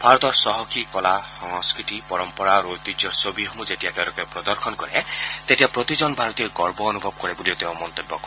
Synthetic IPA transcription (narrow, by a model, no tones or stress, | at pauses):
bʱaɾɔt̪ɔɾsɔɦɔkʰikɔlahɔŋɔskɾiʈipɔɾɔmpɔɾaɾolt̪id͡ʒɔɾsobʱiɦomud͡ʒetijak̪eɾɔkepɾɔd̪ɔɾkʰɔnkɔɾet̪etijapɾot̪id͡ʒɔnbʱaɾɔt̪ijɔɡɔɾbɔːnubʱɔb̚kɔɾebuliot̪ew̃mɔnt̪obːɔk